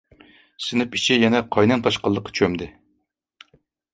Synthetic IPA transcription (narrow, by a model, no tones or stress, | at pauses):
sɪnɪpit͡ʃʰijɛnɛqʰɑjnɛnt̪ʰɑʃqəlˠːəqʰːɑ̥t͡ʃʰømd̪ɪ